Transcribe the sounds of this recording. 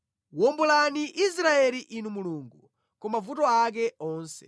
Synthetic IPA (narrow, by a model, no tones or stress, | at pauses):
wɔmbulaniʔis̬ɾaɛliʔinumuluːŋɡu | kɔmavutɔak̬ɛɔːnsɛ̥̰